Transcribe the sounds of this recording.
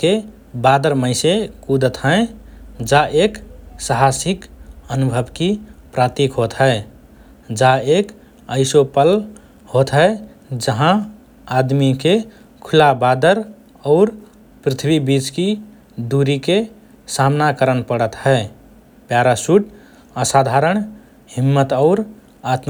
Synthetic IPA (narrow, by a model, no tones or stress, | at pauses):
ke | bad̪əɾməɪsekud̪ət̪ɦə̃ed͡ʒaʔeksəɦasikənubʱəbkipɾat̪ikɦot̪ɦəe | d͡ʒaek | əɪsopəl | hot̪ɦəe | d͡ʒəɦã | ad̪mike | kʰulabad̪əɾ | aʊɾ | pɾit̪ʰbibit͡ʃki | d̪uɾike | samnakəɾənpəɽət̪həe | pjaɾasuʈ | əsad̪ʱaɾəɳ | himːət̪əʊɾ | at̪